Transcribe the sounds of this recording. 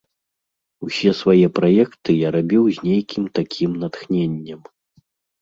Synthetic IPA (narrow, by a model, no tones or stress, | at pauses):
uwsʲɛsvajɛpɾajɛkt̪ɨjaɾabʲiwzʲnʲejkʲʰimt̪akʲʰimnat̪xnʲenʲːɐm